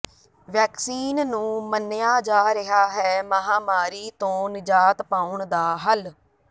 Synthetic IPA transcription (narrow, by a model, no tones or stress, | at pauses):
ʋɛːksiːnnũːmənːɪjaːd͡ʒaːɾəɦaːɦɛːməɦaːmaːɾiːt̪õːnɪd͡ʒaːt̪pãːʊɳd̪aːɦəl